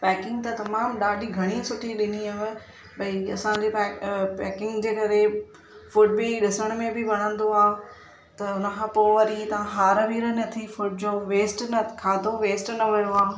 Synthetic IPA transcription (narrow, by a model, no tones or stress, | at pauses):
pɛːkɪ̃ŋɡ̚t̪ɐt̪ɐmaːmɗaːɖʱiɡʱɐɽ̃isʊʈʰiɗɪniɐʋ | bɐiɐsãɲd͡ʑepɛːkɪ̃ŋɡd͡ʑeːkɐɾe | fʊʈ̚biɗɪsəɽ̃mẽbɪʋɐɽ̤̃ə̃nd̪oaːɦ | t̪ɐʊnə̆kʰãːpoːʋɐɾit̪ɐʋ̤ãɦaːɾəʋiːɾənɐt̪ʰifʊʈ̚d͡ʑoːʋeːsʈnɐkʰaːd̪ʱoʋeːsʈnɐʋɐjoaːɦ